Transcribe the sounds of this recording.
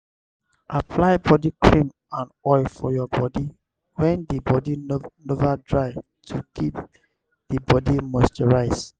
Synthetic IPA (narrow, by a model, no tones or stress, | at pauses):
ʔapʰlaɪbɔdikʰɹĩm | ãnɔɪlfɔjɔbɔdi | wɛ̃ndibɔdinovadɹaɪv | tʰukʰip | d̥ibɔdimɔstɔɹaɪs